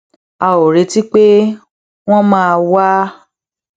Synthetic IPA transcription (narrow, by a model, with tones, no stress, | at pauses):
a˨o˨ɾe˨˦ti˦k͡pe˦ | w̃ɔ̃˦mãː˦˧wa˦